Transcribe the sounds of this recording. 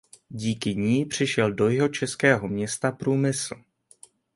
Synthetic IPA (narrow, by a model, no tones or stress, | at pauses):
ɟiːkɪɲiːpr̝̥ɪʃɛldo̞jɪɦo̞t͡ʃɛskɛːɦo̞mɲɛst̪apɾuːmɪsl̩